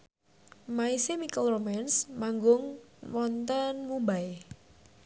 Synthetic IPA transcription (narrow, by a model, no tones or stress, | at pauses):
maisemikəlromansmaŋɡʊŋwɔnt̪ənmubae